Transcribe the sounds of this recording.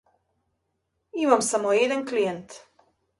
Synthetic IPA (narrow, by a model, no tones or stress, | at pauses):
imamsamojed̪anklijent̪